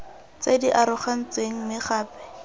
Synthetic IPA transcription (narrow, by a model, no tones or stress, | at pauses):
t͡sediʔaɾʊχan̩t͡seŋ̩mɪχaːpɛ̥